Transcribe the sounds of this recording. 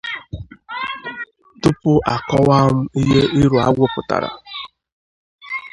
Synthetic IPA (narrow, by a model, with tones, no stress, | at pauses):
tʊ˦pʊ˦ʔa˨kɔ˦wa˦m̩˦i˦ɦe˦ʔɪ˦ɾu˨a˦ɡʷʊ˦pʊ˨ta̰˨ɾa̰˨